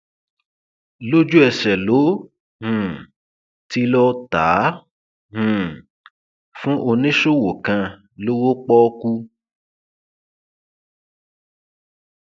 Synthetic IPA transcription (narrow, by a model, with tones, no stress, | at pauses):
lo˦d͡ʒu˦ɛ˧sɛ˨lo˨˦ | hũ˨ | ti˦lɔ˦ta˨˦ | hũ˨ | fũ˦ʔo˧nĩ˦ʃo˦˨wo˨kã˧ | lo˦wo˦k͡pɔ˦ku˦